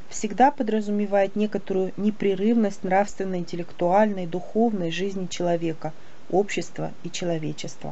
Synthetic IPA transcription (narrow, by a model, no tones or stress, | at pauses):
fsʲɪɡd̪apəd̪ɾəzʊmʲɪvajɪt̪nʲe̞kət̪əɾʊjʊnʲɪpɾʲɪɾɨvnəsʲtʲnrafst̪vʲɪnːəjɪnʲtʲɪlʲɪkt̪ʊalʲnəjd̪ʊxo̞vnəjʐɨzʲnʲɪt͡ɕɪlˠɐvʲe̞kə | opɕːɪst̪və̰ | it͡ɕɪlˠɐvʲet͡ɕːɪst̪və̰